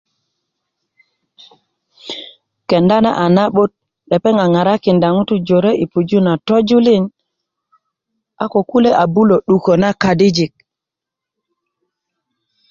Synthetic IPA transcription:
kɛ˨nda˦na̰˦ʔa˨na˦ɓo˦t̚ | ɗɛ˨pɛ˦ŋa˨ŋa˨ɾa˦ki˨nda˨ŋu˦tu˦d͡ʒo˨ɾe˦ʔi˨pu˨d͡ʒu˦na˨tɔ˦d͡ʒu˦li˦n | a˦ko˨ku˦le˦ʔa˨bu˦lo˨ɗu˨ko˨na˦ka˨di˦d͡ʒi˨k̚

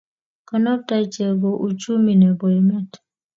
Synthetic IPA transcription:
kə˨nɔ˦ta˦t͡ʃɛ˨bo˨ʔu˨t͡ʃu˦mi˨nɛ˨bɔ˨mɛ˦t

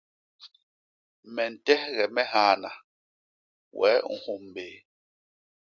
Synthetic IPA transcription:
mɛ˨n̩˨tɛ˦hɣɛ˨mɛ˦ɦaː˨na˨ | wɛ̰˨˦ŋ̩˦hu˦˨m˨beː˨˦

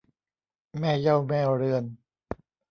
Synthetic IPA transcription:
mɛː˥˩ja˥˩wmɛː˥˩ɾɯ˧˩ən

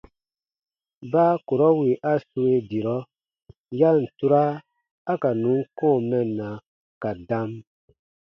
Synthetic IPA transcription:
baː˦ko˨ɾɔ˦wi˨ʔa˦su˧˦e˦di˨ɾɔ˦ | ja˦n̩˨tu˦ɾaː˦ | ka˨nũ˨˦ŋ˦kɔ̃ː˦˨mɛ˨nːa˨ | ka˨dã˦m

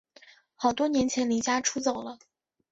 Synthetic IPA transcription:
xɑ˨˩ʊt̪wɔ˥njɛ˧˥nt͡ɕʰjɛ˧˥nli˧˥t͡ɕja˥ʈ͡ʂʰu˥t͡so˨˩ʊlə˦

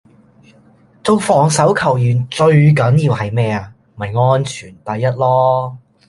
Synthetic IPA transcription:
t͡so˧wfɔː˨˩ŋsɐ˨˥wkʰɐ˨˩wjyː˨˩nt͡ʃɵ˧ɥk̬ɐ˨˥nji˧whɐ˨jmɛː˥a˨m˩˨ɐ˨˩jŋɔː˥nt͡ʃʰyː˨˩nt̪ɐ˨˧jːɐ˥t̚lɔː˥

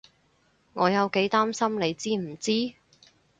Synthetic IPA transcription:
ŋɔː˨˧jɐ˨˧wke˨˥jt̪aː˥msɐ˥mne˨˧jt͡siː˥m̩˨˩t͡siː˥

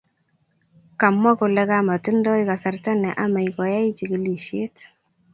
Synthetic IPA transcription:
ka˨mːɔ˦kʊ˨lɛ˦ka˦ma˨ti˦ndɔ˦ika˨sa˨rta˦nɛ˨ʔa˦ma˨i˨kɔ˨ja˦i˦t͡ʃi˨ki˦li˨ʃje˦t

